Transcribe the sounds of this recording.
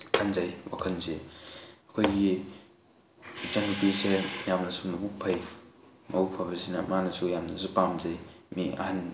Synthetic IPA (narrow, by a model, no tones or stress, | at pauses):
kʰanzajwa̰kʰɐnze | ɐkʰojɡi | d͡ʒɐnupisejamnɐsumɐbuk̚pʰajmɐbuk̚pʰabɐsinɐmanɐsujamnɐsupamzaj | miɐ̰han